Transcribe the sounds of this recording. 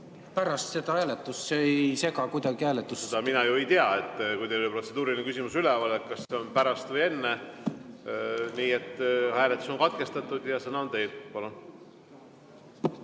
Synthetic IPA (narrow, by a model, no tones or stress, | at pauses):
pæɾɑst̪se̞t̪ɑhæːlet̪ːˑusːejse̞ɡɑkujd̪ɑɡ̥ihæːlet̪ːˑusset̪ɑminɑjuejt̪eɑe̞t̪ːkujd̪ejolpro̞t̪se̞d̪uːɾilinekysimusylɛɑlet̪̚kɑsːe̞o̞npæɾɑst̪vɤje̞nːe | niːe̞t̪ːhæːlet̪ːˑu̥so̞nkɑt̪̚ke̞st̪ɑt̪ːˑud̪̥jɑsenɑont̪e̞jd̪pɑlun